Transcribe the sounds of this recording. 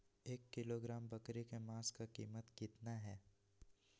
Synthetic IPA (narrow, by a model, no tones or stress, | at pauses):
eːkːɪloɡɾaːmbɐkɾikemaːskakiːmət̪kɪt̪naɦɛː